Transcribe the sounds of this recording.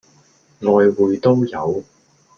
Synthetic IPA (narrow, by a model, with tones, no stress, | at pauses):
ŋɔː˨˧jwuː˨˧jt̪o˥wjɐ˨˧w